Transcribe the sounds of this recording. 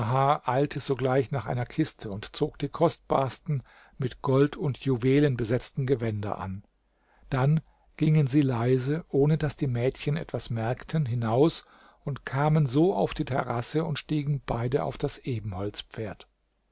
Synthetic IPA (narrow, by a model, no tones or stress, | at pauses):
ɦaːʔaɪltʰəzoːɡlaɪçnaːχʔa̰ɪnɐkʰɪstʰəʊntt͡soːkd̥iːkʰɔst̚b̥a̰ːɐstn̩ | mɪtɡ̥ɔltʰʊntʰjuveːlənbəzɛt͡stn̩ɡəvɛndɐ̰ʔa̰n | d̥an | ɡ̥ɪŋənziːlaɪzəʔoːnədasd̥iːmɛːtçənɛ̰tv̥asmɛɐktʰənɦɪnaʊs | ʊntkʰaːmənzoːaʊfd̥iːtʰɛ̰ʁasəʊntʃtiːɡŋ̩b̥aɪdəa̰ʊfd̥asʔeːbm̩hɔlt͡spp͡feːɐt